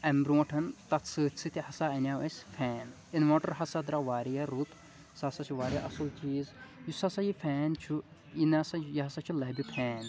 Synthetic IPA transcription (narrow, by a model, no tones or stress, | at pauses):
ɐmbɾũːʈʰɐnt̪ɐt̪sɨːt̪ʰʲsʰɨt̪ʰʲihɐsaːɐnʲaːʋɐsʲfʰɛːn | inmoːʈɐɾɦɐsɐd̪ɾaʋaːɾjɐɾut̪ʰ | sɐsɐt͡ʃʰuʋaːɾʲjaʔɐsult͡ʃiːzjusɐsɐjifʰɛːnt͡ʃʰuinasɐjiɦɐsat͡ʃʰulɐːbʲip̪ʰɛːn